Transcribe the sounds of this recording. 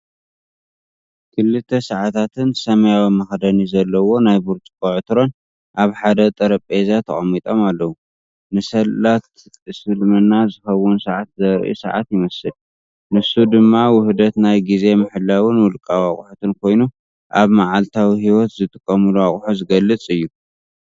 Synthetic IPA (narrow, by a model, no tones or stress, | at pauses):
kʰɨlːɨt̪ʰːesaʕat̪ʰat̪ʰɨnsɐmɐjawimɐxd̪ɐnizɐlːɐwo̞najbuɾt̪ʼkʼoʕɨt̪ɨɾo̞n | ʔaβħad̪ɐt̪ʼɐɾɐpʼezat̪ʰɐ̰χʼɐmːit̪ʼo̞malːɐwu | nɨsɐlːat̪ | sɨlmɨnːazɨxɐwːʊnsɐʕat̪zɐɾʔḭsɐʕa̰t̪jɪmɐsɨl | nɨsːud̪ɨmːawʊhd̪ɐt̪najɡize̞mɨħɨlːawɨnwʊlkʼawa̰χʼuħut̪ʰɨnkʰo̞jnu | ʔaβmaʕalt̪ʰawihiwɔt̪zɨt̪ʼɨkʼːɐmuluaχʼħuzɨɡɐlːɨt͡sʼɨjːu